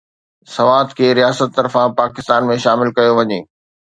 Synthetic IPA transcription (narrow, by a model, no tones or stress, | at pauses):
sɐʋaːt̪kʰeːɾijaːsət̪ːɐɾfãpaːkɪst̪aːnmẽʃaːmɪlkɐjoʋɐɲeː